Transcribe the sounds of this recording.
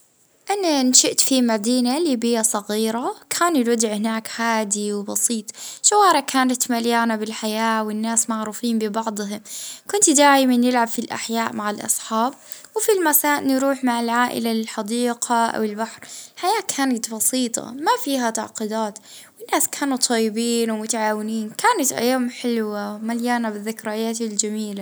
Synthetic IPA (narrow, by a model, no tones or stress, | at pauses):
ʔananʃɪʔt̪fimad̪iːnaliːbɪjasˤɑɣiːɾakʰaːnɪlwad̪ɪʕhɪnaːkhaːd̪iwbɑsiːt̪ˤʃawɑːɾˤɑkʰaːnat̪maljaːnabɪlħajaːwɪnːaːsmaʕɾuːfiːmbɪbɑʕd̪ˤɦʊmkʊnt̪d̪aːjmanjɪlʕabfilʔa̰ħjaːʔmaʕalʔɑ̰sˤħɑːb̚ | wɪfilmasaːʔnɾuːħmaʕalʕaːʔɪ̰lalɪlħɑd̪iːqʰaʔa̰wɪlbaħɾħajaːkʰaːnat̪bɑsiːt̪ˤʰɑ̰mafiːɦat̪a̰ʕqid̪aːt̪wɪnːaːskʰaːnut̪ˤʰɑjːɪbiːnwmʊt̪aʕaːwɪniːnkʰaːnat̪ʔa̰jːaːmħɪlwamaljaːnabɪðːɪkɾˤɑjaːt̪ld͡ʒamiːla